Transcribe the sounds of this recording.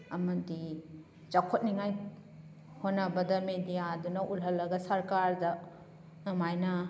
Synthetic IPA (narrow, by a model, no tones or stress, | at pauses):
ɐmɐdi | t͡ʃɐkʰot̚niŋaj | honːɐbɐdɐmedijaːdunɐʔulɦɐlːɐɡɐsɐɾkaɾdɐ | nɐmajnɐ